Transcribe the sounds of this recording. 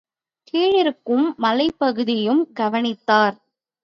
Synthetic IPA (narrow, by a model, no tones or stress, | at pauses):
kiːɻɪɾɯkːɯmːɐlɐɪpːɐɣɯðɪjɯmɡɐʋɐnɪt̪ːaːɾ